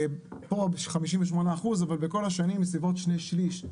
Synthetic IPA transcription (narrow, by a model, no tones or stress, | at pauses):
po̞bχamiʃ̬imveʃ̬mo̞naːχuzavalbeko̞laʃanimːesibo̞t̪ʃneʃliʃ